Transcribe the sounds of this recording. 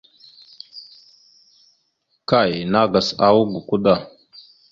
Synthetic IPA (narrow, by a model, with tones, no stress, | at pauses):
ka˦˨jna˦ɡa˨sa˦˨wu˦ɡu˨ku˦da˨